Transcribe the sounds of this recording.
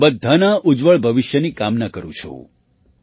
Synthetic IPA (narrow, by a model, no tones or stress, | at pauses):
bəd̪ʱːanaʔud͡ʒʋəɭbʱəʋɪʃjənikamnakəɾṵ̃t͡ʃʰo̰